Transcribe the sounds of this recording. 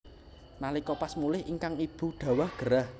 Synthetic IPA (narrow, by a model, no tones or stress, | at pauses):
nalikɔpasmulɪhiŋkaŋib̥ṳɖ̪̥a̤wahɡ̥ə̤ɾah